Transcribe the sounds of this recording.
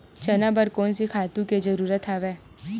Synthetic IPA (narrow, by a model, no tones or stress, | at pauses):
t͡ʃənãbəɾkoːnsikʰaːt̪ũked͡ʒəɾuːɾət̪ʰaːʋe